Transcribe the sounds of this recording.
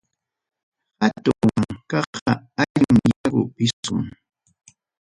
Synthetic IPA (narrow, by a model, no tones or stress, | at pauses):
at̪ʊwaŋkɑɑaʎmɪjaɢʊ̰pɪsʊ̰ŋ